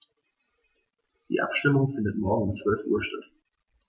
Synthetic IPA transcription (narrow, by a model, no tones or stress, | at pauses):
d̥ḭːʔa̰pʃtɪmʊŋfɪndətmɔɐɡŋ̩ʊmt͡sv̥œlfʔṵːɐʃtat